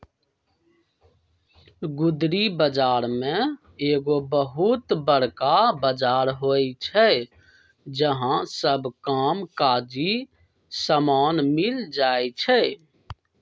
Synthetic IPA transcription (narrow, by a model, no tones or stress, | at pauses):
ɡʊd̪ɾibəd͡ʒaːɾmẽ | eːɡobəɦut̪bəɽ̤kabəd͡ʒaɾɦojt͡ʃʰɛ | d͡ʒəɦãsəbʱkamkad͡ʒi | səmaːnmild͡ʒaet͡ʃʰɛ